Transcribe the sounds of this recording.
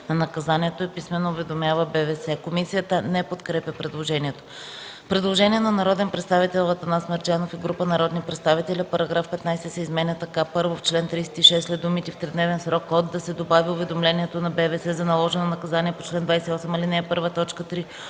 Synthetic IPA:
nɐnɐkɐzaniɛt̪oɛpismɛnːoːvɛd̪omʲjavəbɛvɛsɛkomisijət̪ənɛpot̪kɾɛpʲjəpɾɛd̪lˠoʒɛnʲiɛt̪o̥ | pɾɛd̪lˠoʒɛnʲiɛnɐnɐɾɔd̪ɛnpɾɛt̪st̪avit̪ɛlˠɐt̪ɐnasməɾd͡ʒ̪ʲanofiɡɾupənɐɾɔd̪nipɾɛt̪st̪avit̪ɛlʲipɐɾɐɡɾafpɛt̪najsɛsɛizmɛnʲət̪ɐkapɤɾvoft͡ʃlɛnt̪ɾijsɛ̥t̪iʃɛslɛd̪umit̪ift̪ɾɛd̪nɛvɛnsɾɔkːɔd̪ːɐsɛd̪obaviʊvɛd̪omlɛniɛt̪onɐbɛvɛsɛzɐnɐlˠɔʒɛnɛnɐkɐzaniɛpot͡ʃlɛnd̪vajsɛiɔsɛmilinɛːpɤɾvət̪ɔt͡ʃkət̪ɾi

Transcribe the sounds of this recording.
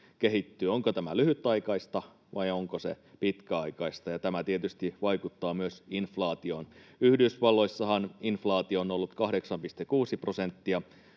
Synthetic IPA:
ke̞ɦit̪ːyːoŋkot̪æmælyhyt̪ːˑɑikɑist̪ɑ | ʋɑjoŋkosḛ | pit̪kæɑjkɑist̪ɑjɑt̪æmæt̪iet̪yst̪iʋɑjkut̪ːɑːmyøsinflɑːt̪io̞ːnyhdysʋɑlːo̞isːɑɦɑninflɑːt̪ionolːut̪kɑhde̞ksɑmpist̪ekuːsiprosent̪ːiɑ

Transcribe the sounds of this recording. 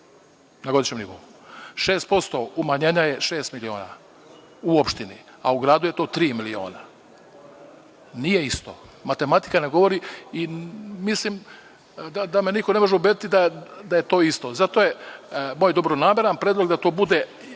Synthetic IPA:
naɡoiʃɲemnivo̰uʃe̞ːst̪̚po̞st̪o̞umaɲeːɲaje̞ʃe̞ːst̪milio̞̰ːna̰ | uopʃt̪inḭa̰uɡɾaːd̪uje̞t̪o̞ːt̪ɾiːmilio̞̰ːna | nije̞ist̪o̰mat̪e̞mat̪i̥kane̞ɡo̞ʋo̞ɾiimislim | d̪ad̪ameniko̞ne̞mo̞ʒeubed̪it̪id̪ad̪ajet̪o̞ːist̪o̞zat̪o̞jemoːjd̪o̞bɾoname̞ɾanpɾed̪lo̞ɡd̪at̪o̞ːbud̪e

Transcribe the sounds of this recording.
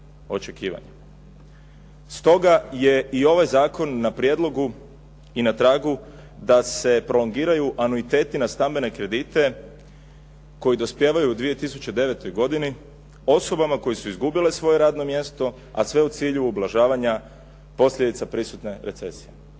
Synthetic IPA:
o̞t͡ʃe̞kiːʋa̰ɲa | st̪o̞ɡaje̞io̞ʋajzaːko̞nːapɾije̞d̪lo̞ɡu | inat̪ɾaːɡu | d̪ase̞pɾo̞lo̞ŋɡiːɾajuʔanuit̪e̞ːt̪inast̪ambe̞ne̞kɾe̞d̪it̪e̞ | ko̞jid̪o̞spje̞ːʋajuːd̪ʋije̞t̪isut͡ɕed̪e̞ʋe̞t̪o̞jɡo̞d̪ini | o̞so̞bamako̞jesuizɡubilesʋo̞je̞ɾaːd̪no̞mje̞st̪o̞ | a̰sʋe̞ut̪siːʎuːblˠaʒaːʋaɲa | po̞sʎʲed̪it̪sapɾisut̪ne̞ɾe̞t̪se̞sije̞

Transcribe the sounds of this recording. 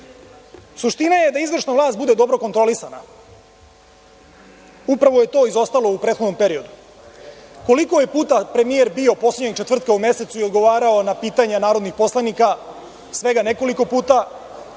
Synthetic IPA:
suʃt̪inaje̞d̪aizʋr̩ʃnaʋlˠaːst̪bud̪e̞d̪o̞bɾo̞kot̪ɾo̞lisana̰ | upɾaʋoje̞t̪o̞izo̞st̪alo̞upɾet̪xod̪no̞mpeɾio̞d̪u | ko̞liko̞je̞puːt̪apɾe̞mijeɾbio̞po̞sleɟɲeɡ̚t͡ʃet̪ʋr̩t̪̚kaumje̞se̞t̪suio̞d̪ɡo̞ʋaːɾaonapiːt̪aɲanaːɾo̞d̪nixpo̞slˠanika | sʋe̞ɡane̞ko̞liko̞puːt̪a

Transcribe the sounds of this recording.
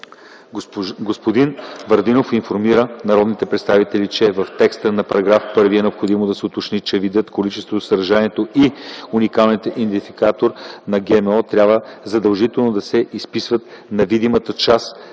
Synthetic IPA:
ɡospod̪invɐɾd̪inofinfoɾmiɾənɐɾɔd̪nit̪ɛpɾɛt̪st̪avit̪ɛlit͡ʃɛvɐft̪ɛkst̪ənɐpɐɾɐɡɾafpɤɾviɛnɛopxod̪imod̪ɐsɛot̪ot͡ʃnit͡ʃɛvid̪ʲət̪kolit͡ʃɛst̪vot̪osɐɾɐʒaniɛt̪oiunikalˠnit̪ind̪ifi̥kat̪oɾnɐɡɛmɛɔt̪ɾʲabvəzɐd̪ɐlˠʒit̪ɛlˠnod̪ɐsɛispisvət̪ | nɐvid̪imət̪ət͡ʃas

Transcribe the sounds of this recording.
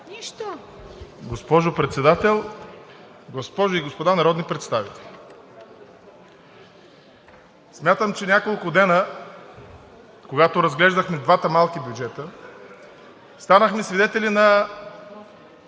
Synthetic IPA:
niʃt̪o | ɡospɔʒopɾɛt̪sɛd̪at̪ɛlˠ | ɡospɔʒoiɡospod̪anɐɾɔd̪nipɾɛt̪st̪avit̪ɛ̥lʲi | smʲjat̪əmt͡ʃɛnʲakolˠkʊd̪ɛnə | koɡat̪oɾɐzɡlɛʒd̪əxmɛd̪vat̪əmalˠkibʲjud͡ʒɛt̪ə | st̪anəxmɛsvid̪ɛt̪ɛlʲinɐ

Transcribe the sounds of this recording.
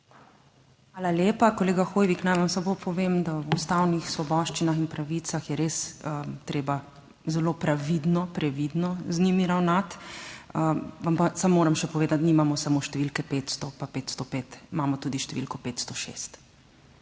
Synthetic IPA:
xʋaːlaljeːpakɔleːɡaxoːjʋiknajʋamsabopʰɔʋeːmd̪awust̪awnixsʋɔbɔʃt͡ʃinaxinpɾaʋisaxjɛɾesət̪ɾeːba | zɛlopɾaʋid̪nɔpɾɛʋid̪nɔznimiɾawnat̪əʋampasamːoːɾɛmʃɛpɔʋeːd̪at̪niːmamɔsamoʃt̪ɛʋilkɛpeːt̪st̪ɔpapeːt̪st̪ɔpet̪mamɔt̪uːd̪iʃt̪ɛʋḭlkɔpeːt̪st̪ɔʃḛst̪

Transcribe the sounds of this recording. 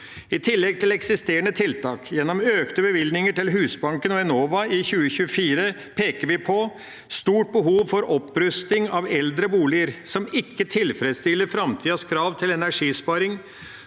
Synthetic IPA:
ɪt̪ʰɪlːɛɡ̚t̪ʰɪlɛksɪst̪eːəɳət̪ʰɪlt̪ʰɑːkjɛnːɔmøːkt̪əbəʋɪld̪nɪŋəʈɪlɦʉːsbɑŋkənɔɛnoːʋɑɪçʉːəçʉəfiːɾə | pʰeːkəɾʋɪpʰɔ | st̪uːʈ̚bəɦuːʋfɔɾɔpːɾʉst̪ɪŋɑʋɛld̪ɾəbuːlɪəɾsɔmɪkːət̪ʰɪlfɾɛd̪st̪ɪlːəɾfɾɑmt̪ʰiːɑskʰɾɑːʋt̪ʰɪlɛnæʂiːspɑːɾɪŋ

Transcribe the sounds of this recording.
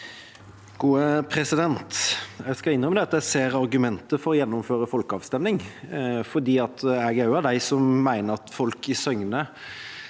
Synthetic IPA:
ɡ̥uːəpʰɾɛsɪd̪ɛnt̪jæɪskɑɪnœməd̪ɛɑt̪ːjæseːɾɑɾɡʉmɛnt̪əfɔɾɔjɛnːʊmføːɾəfɔlkəɑ̰ːʋst̪ɛmnɪŋfɔd̪iːɑt̪æɡɑʉɑʋd̪æɪsɔmːæɪnəɾɑt̪fɔlkɪsœŋnə

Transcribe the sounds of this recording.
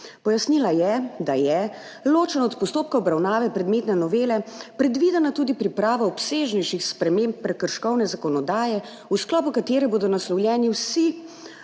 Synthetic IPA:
pɔjasnilajɛd̪ajɛ | loːt͡ʃɛnɔɔt̪pɔst̪oːp̚kaɔbɾawnaːʋɛpɾɛd̪meːt̪nɛnɔʋeːlɛpɾɛd̪ʋid̪ɛnat̪uːd̪ipɾipɾaːʋaɔpseːʒnɛjʃixspɾɛmẽmpːɾɛkəɾʃkɔwnɛzakɔnɔd̪aːjɛ | usklɔːpukat̪eːɾɛboːd̪ɔnaslɔwljɛːniwsi

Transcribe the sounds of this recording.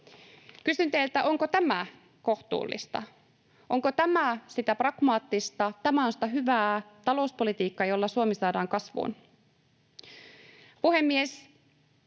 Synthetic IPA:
kysynt̪eilt̪æʔo̞ŋkot̪æmæ | ko̞ht̪ṵːlːḭst̪ɑ̰ | ʔo̞ŋkot̪æmæsit̪æprɑɡ̥mɑːt̪ːist̪ɑt̪æmæonsi̥t̪æɦyʋæːt̪ɑlo̞uspo̞lit̪iːkːɑjo̞lːɑsuomisɑːdɑːŋkɑsʋṵn | puhe̞mːies

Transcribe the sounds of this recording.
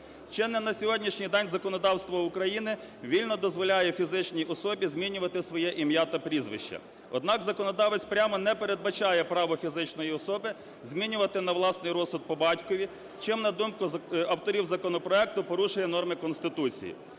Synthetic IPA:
t͡ʃɛnɛnɐsʲɔɦɔdʲnʲiʃnʲijd̪ɛnʲzɐkɔnɔd̪ɑwst̪ʋɔʊkɾɐjinɪ | ʋʲilʲnɔd̪ɔzʋɔlʲajɛfʲizɪt͡ʃnʲijʔɔsɔbʲizʲmʲinʲʊʋɐt̪ɪsʋɔjɛʔimjat̪ɐpɾʲizʋɪ̰ʃt͡ʃɐ̰ | ɔ̰d̪nɑkzɐkɔnɔd̪ɑʋet͡sʲpɾʲamɔnɛpeɾed̪̚bɐt͡ʃɑjɛpɾɑʋɔfʲizɪt͡ʃnɔjiɔsɔbɪ | zʲmʲinʲʊʋɐt̪ɪnɐwlˠɑsnɪjɾɔsʊd̪̚pɔbɑtʲkɔʋʲi | t͡ʃɪmnɐd̪umkʊɐwt̪ɔɾʲiwzɐkɔnɔpɾɔɛk̚t̪ʊpɔɾuʃʊjɛnɔrmɪkɔnst̪ɪt̪ut͡sʲḭjḭ

